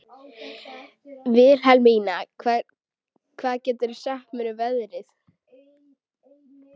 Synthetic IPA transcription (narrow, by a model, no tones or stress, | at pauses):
vɪðɾ̥ɦalmiːnakʰv | kʰvaːðcɛːt̪ʏɾ̥sahpmɪɾʏvɛðɾɪθ